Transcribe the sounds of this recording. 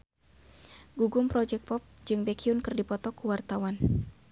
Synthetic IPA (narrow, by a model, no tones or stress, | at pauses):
ɡuɡʊmpɾɔd͡ʒɛk̚pɔp̚d͡ʒɨŋbɛkʰiunkɨrdipɔt̪ɔkuwart̪awan